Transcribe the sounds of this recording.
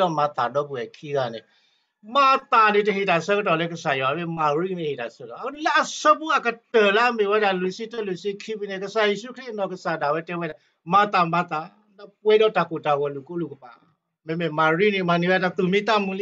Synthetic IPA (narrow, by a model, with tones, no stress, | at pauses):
ɔ˦˨ma˧t̪a˨dɔ˦ku˨ɛ˨kʰi˦ɣa˦˨nɛ˨ | ma˧t̪a˨ne˨tə˨ɦe˨da˨sə˦kə˦tɔ˨lɛ˦kə˨sa˨jɔ˨a˨˦me˦˨ma˨ɾi˦ne˨he˨da˨sɛ˦tɔ˨˦lɛ˦ʔa˨sə˦pu˦a˨kə˨tə˨la˦me˨wɛ˦da˨lu˨si˦tə˦˨lu˨si˦kʰi˦bu˦nɛ˧˨kə˨sa˨je˨ʃu˦kʰɾi˦˨nɔ˧˨kə˨sa˨da˨wɛ˦tɛ˦wɛ˦da˨ | ma˧t̪a˨ma˧t̪a˨ | nɔ˦pɛ˦dɔ˦˨da˨ko˨da˨wɔ˨lu˨ko˦lu˨kə˨pa̰˨ | me˧˦me˨ma˨ɾi˦ni˧˨ma˧˨ni˨˦wɛ˦da˧˨t̪u˨mĩ˦t̪a˦˨mũ˦li˦